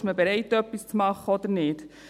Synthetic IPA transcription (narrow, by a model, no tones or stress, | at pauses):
ʃməbeɾɛɪtœpːist͡smɑχəɔd̪əɾnɪːt